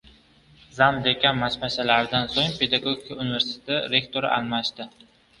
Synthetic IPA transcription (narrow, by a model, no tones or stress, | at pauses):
zamd̪e̞kʲanmasmasalaɾɪd̪ansoŋpʰe̞d̪aɡo̞ɡʲikaunɪveɾsɪ̥e̥t̪ʰɪɾe̞kt̪ʰo̞ɾɪ̰ʔa̰lˠmaʃd̪ɪ